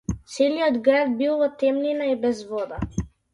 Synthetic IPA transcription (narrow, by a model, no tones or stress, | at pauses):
t̪sɛliɔd̪ɡɾad̪̚bilˠvɔt̪ɛmlinaɛbɛzvɔd̪a